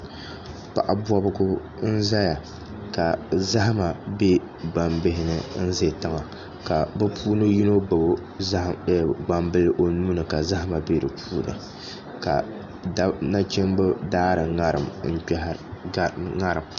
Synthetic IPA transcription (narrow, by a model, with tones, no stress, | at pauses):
pa̰˨ʔa˨bwɔ˦bʊ˦ɡʊ˦ | n̩˦za˦ja˨ | ka˨za˦ɦa˦ma˨be˦ | ɡ͡ba˨mbɪ˦ɦɪ˨nɨ˨˦n̩˦ze˦˨ta˦ŋa˨ | ka˨bɨ˦pʰuː˦nɨ˦ji˦no˦˨bo˦˨ | ɡ͡ba˨mbɨ˦lɨ˦ʔo˨nuː˦nɨ˨ka˨za˦ɦa˦ma˨be˦dɨ˨pʰuː˦nɨ̰˨ | ka̰˨˦ | na˦t͡ʃɛ˦mbɨ˦daː˦ɾɨ˨ŋa˦ɾɨ˨mŋ̩˦ | ŋa˦ɾɨ˨m